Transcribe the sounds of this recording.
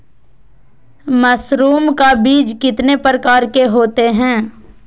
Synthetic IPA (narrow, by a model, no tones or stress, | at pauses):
mɐsɾuːmkabiːd͡ʒkɪt̪nepɾəkaːɾkeɦoːt̪eɦɛ̃ː